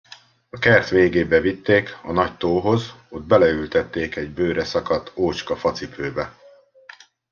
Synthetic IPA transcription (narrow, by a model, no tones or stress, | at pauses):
ɒkɛrt̪ʋeːɡeːbɛvit̪ːeːkɒnɒct̪oːɦo̞zod̪̚bɛlɛylt̪ɛt̪ːeːkɛɟbøːɾɛsɒkɒt̪ʰːoːt͡ʃkɒfɒt̪sipøːbɛ